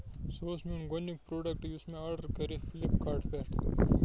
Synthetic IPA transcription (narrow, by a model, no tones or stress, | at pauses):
soːsminɡonik̚pɾoːɖɐk̚ʈʊsmẽaːɾɖəɾkɐɾifʰɪlipkaːɾʈbɛːʈʰː